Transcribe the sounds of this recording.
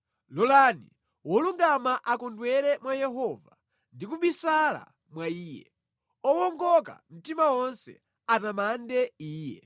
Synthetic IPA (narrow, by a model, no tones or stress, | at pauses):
lɔlanḭ | wɔluŋɡamaʔakɔndwɛɾɛmwajɛɦɔva | ndik̬uɓisala̰ | mwaiːjɛ̰ | ɔwɔŋɡɔka̰m̩timawɔnsɛ̰ | atamandɛiːjɛ̰